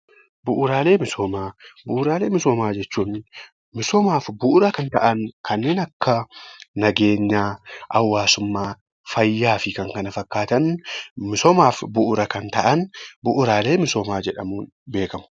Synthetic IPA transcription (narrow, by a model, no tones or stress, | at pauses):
bʊʔʊɾaːle̞ːmɪsoːmaːbʊʔʊɾaːle̞ːmɪsoːmaːd͡ʒɛt͡ʃːuːn | mɪsɔmaːfbʊʔʊɾɐkɐnt̪ɐ̰ʔɐnkɐnːe̞ːnɐkːɐnɐɡe̞ːɲːaːʔɐwːaːsʊmːaː | fɐjːaːfɪkɐŋkɐnɐfɐkːaːt̪ɐnmɪsɔmaːfbʊʔʊɾɐkɐnt̪ɐʔɐnbʊʔʊɾaːle̞ːmɪsoːmaːd͡ʒɛᶑɐmuːn | be̞ːkɐmʊ̥